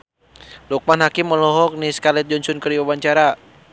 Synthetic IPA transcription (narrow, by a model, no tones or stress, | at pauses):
luk̚manɦakɪmːəlɔɦɔk̚niskalɛt̪̚d͡ʒɔɲsʊnkəriwawaɲt͡ʃaɾa